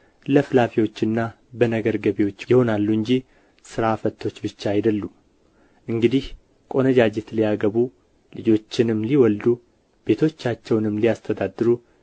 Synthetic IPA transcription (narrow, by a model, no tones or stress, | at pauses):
ləflafiwo̞t͡ʃːɨnːa | bənəɡəɾɡəβewo̞t͡ʃːjɪho̞nalːuɨɲd͡ʒi | sɨɾafət̪ʰːo̞t͡ʃːbɨt͡ʃːaːjd̪əlːu | ʔɨŋɡɨd̪ih | kʼo̞nəd͡ʒad͡ʒet̪lijaɡəβu | lɨd͡ʒo̞t͡ʃːɪnɨmliwɔld̪u | b̥e̞t̪ʰo̞t͡ʃːat͡ʃːɛwnɨmːlijast̪ʰəd̪ad̪ːɨɾu